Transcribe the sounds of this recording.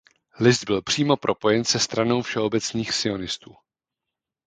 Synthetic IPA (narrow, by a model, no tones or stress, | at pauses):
lɪsd̪̚bɪlpr̝̥iːmo̞pɾʔo̞po̞jɛnsɛst̪ɾano̞wfʃɛo̞bɛt͡sniːxsɪo̞nɪst̪uː